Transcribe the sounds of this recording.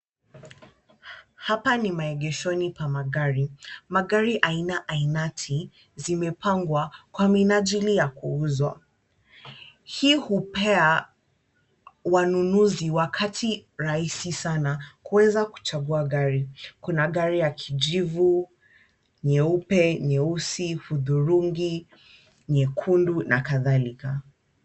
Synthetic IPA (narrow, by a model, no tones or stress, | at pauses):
hapanimaɛɠɛʃɔnipamaɠaɾimaɠaɾiʔainaʔainatʰi | zimɛpaŋɡwakwaminaʄilijakuuzwa̰ | hiːhupɛa | wanunuziwakʰatʰiɾaisisanakuwɛzaku̥t͡ʃaɠuaɠaɾikunaɠaɾijakʰid͡ʒivu | ɲɛupɛɲɛusihuðuɾuŋɡi | ɲɛkʰundunakaðalika